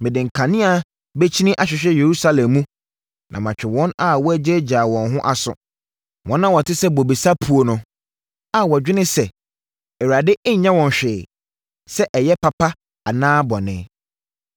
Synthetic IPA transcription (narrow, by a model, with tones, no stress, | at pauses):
mɪ̃˨dɪ̃˨ŋ̩˨kʰã˨nɪ̃˦a˨ | be˦t͡ɕʰi˦nɪ̃˦ʔa˨ɕᶣɪ˨ɕᶣɛ˦je˨ɾu˦sa˦lɛ̃˨mːũ˦ | nʔã̰˨mã˨t͡ɕᶣɪ˨wɔ̃˦na˦wɔ˦æ˦d͡ʑɪ˦d͡ʑaː˨wɔ̃˨nɦʊ̃˦ʔa˨sʊ̰˨ | wʔɔ̃˨˦nːã˦wɔ˨tʰɪ˦sɛ˦bɔ˨bi˨sa˦pʰu˨o˨nʊ̃˦ | a˨wɔ˨d͡ʑᶣɪ˦nɪ̃˦sɛ˨ | ɛ˨wa˨dɪ˦ʔɛ˦ɲ̩˨ɲã˦wɔ̃˨n˨ɕᶣɪː˨ | sɛ˦ʔɛ˨jɛ˦pʰa˨pʰa˦ | a˨nãː˦bɔ˨nɪ̃˨˦